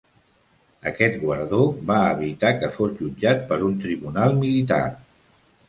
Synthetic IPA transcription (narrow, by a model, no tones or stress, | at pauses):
ə̰kɛt̪ɡwəɾðoβaəβit̪akəfozʒud͡ʒat̪̚pəɾunt̪ɾiβunalˠmilit̪a̰r